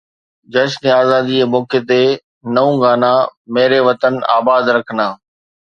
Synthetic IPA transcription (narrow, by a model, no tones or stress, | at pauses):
d͡ʑɐʃneaːzaːd̪iemoːket̪̬e | nɐũɡaːnãmeːɾeʋɐt̪əna̰ːbaːd̪ɾɐkʰənaː